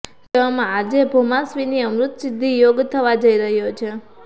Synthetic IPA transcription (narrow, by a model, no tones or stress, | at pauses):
d͡ʒeʋamãːd͡ʒebʱomãsʋiniəmɾʊt̪sɪd̪ʱːijoɡt̪ʰəʋad͡ʒəiɾəɦjot͡ʃʰe